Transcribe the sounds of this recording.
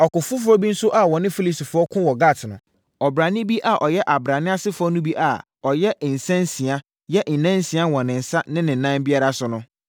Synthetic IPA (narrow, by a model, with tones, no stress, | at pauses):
ɔ˨kʊ˨fʊ˦fʊ˦ɔ˦bi˦n̩˦sʊ˦ʔa˨wɔ̃˨nɪ̃˦fi˦li˦si˨fʊ˨˦ɔ˦kʰʊ̃˦wɔ˨ɡa˦˨tʰɪ˨nʊ̃˨ | ɔ˨bɾa˨nɪ̃˦bi˦ʔa˨ʔɔ˨jɛ˦ʔa˨bɾa˨nɪ̃˦a˦sɪ˦fʊ˦ɔ˦nʊ̃˦bi˦ʔa˨ | ɔ˨jɛ˦˨n̩˨sã˦n˦sĩ˨a˦ | jɛ˦ʔn̩˨nã˦n˦si˨a˦˨wɔ̃˨nɪ̃˨n̩˨sa˦nɪ̃˦nɪ̃˨nã˦mbi˦a˦ɾa˨sʊ˦nʊ̃˦